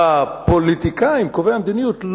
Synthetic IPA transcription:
apo̞lit̪ikaimkovehamd̪inijutl

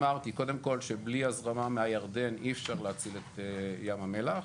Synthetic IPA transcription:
maʁt̪iko̞d̪e̞mko̞lʃe̞bliazʁamameajaʁd̪e̞nifʃaʁleat͡silet̪ejamamela

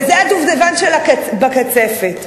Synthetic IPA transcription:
zeaduvdevanʃelakabakat͡sefet

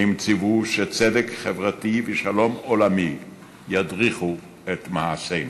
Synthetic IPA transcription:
imt͡sivuʃet͡sedekχevʁativeʃalo̞mo̞lami | jadʁiχu | et̪maasen

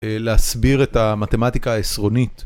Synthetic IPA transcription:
leasbiʁetamate̞matikaːesʁo̞nit

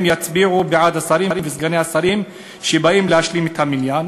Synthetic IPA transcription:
mjat͡sbiʕubeʕad̪asaɾiimvezɡaneasaɾim | ʃebaimlehaʃlimet̪haminjan

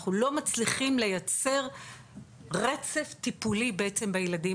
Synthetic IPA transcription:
χulo̞mat͡sliχimle̞jat͡se̞ʁ | ʁe̞t͡se̞ft̪ipulibeet͡sembejeladi

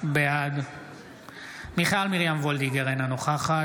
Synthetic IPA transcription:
beaɡ | miχalmiʁjamvold̪iɡeʁenanoχaχa

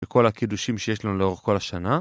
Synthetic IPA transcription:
eko̞lakiduʃimʃe̞jeʃlanuleo̞ʁeχko̞laʃana

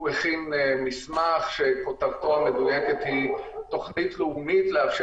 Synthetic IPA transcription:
eχimmismaχʃe̞kotavtoame̞dujeke̞thito̞χnitleumitleafʃ

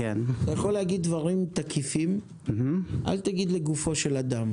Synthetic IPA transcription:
kenat̪ajaχo̞leaɡid̪ːvaʁimt̪akʰifim | m̩ɦ̩ʔa̰lt̪aɡid̪le̞ɡufo̞ʃe̞lad̪am

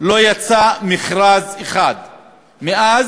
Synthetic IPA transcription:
lo̞jat͡samiχʁazeχad̪ | meʔaz

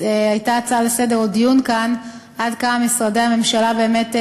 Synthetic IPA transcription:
ajtat͡salesedeʁodijunkan | ʔadkamamisʁadejhame̞mʃalabe̞ːme̞t

